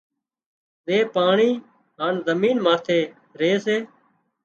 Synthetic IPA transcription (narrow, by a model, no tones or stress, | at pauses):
zeːpaːɳiː | ɦaːnzəmiːnmaːt̪ʰeː | ɾeːseː